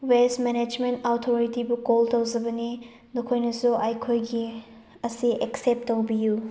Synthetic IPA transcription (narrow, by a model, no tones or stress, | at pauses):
wesmened͡ʒmentawtʰoɾitibukoltɐwzɐbɐni | nokʰojnɐsuʔajkʰojɡi | ɐsiʔeksep̚tːɐwbiju